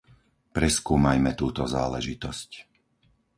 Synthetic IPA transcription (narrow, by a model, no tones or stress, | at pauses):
pɾɛskuːmajmɛt̪uːt̪ɔza̰ːlɛʒit̪ɔsc